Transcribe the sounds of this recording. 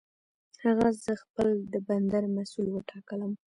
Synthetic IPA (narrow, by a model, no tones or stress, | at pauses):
haɣazəxpəld̪əband̪aɾmasulwəʈʰɑkələm